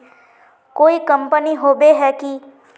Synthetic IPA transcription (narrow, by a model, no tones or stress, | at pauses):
koːikə̃mpəniɦoːbeɦɛki